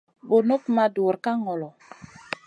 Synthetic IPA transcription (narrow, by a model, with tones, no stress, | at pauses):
bo˨no˦kma˨du˨ɾka˦ŋɔ˨lɔ˨